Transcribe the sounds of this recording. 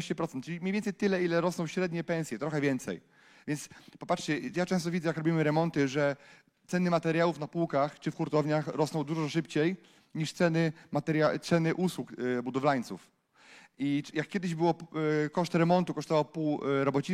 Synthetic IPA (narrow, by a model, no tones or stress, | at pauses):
ɕt͡ɕɛpɾɔt̪sɛnt̪̚ːt͡ʂɘlʲimɲejvʲɛnsɛjt̪ɘlɛilɛɾɔsnɔwɕɾɛd̪ɲɛpɛ̃ñsʲjɛt̪ɾɔxɛvʲjɛnt̪sɛ̰j | vʲjɛnt̪spɔpatʂt͡ɕɛjat͡ʂɛ̃st̪ɔvʲid̪zɛjakɾɔbʲimɘɾɛmɔnt̪ɘʐɛ | t̪sɛnɘmat̪ɛɾjawufnapuwkaxt͡ʂɘfkuɾt̪ɔvɲaxɾɔsnɔwd̪uʐɔʂɘpt͡ɕej | ɲiʂt̪sɛnɘmat̪ɛɾjat̪sɛnɘʔuswukbud̪ɔvlaɲt̪suf | ijakːʲɛd̪ɘʑbɘwɔkɔʂt̪ɾɛmɔnt̪ukɔʂt̪ɔvɔwpuwɾɔbɔt͡ɕi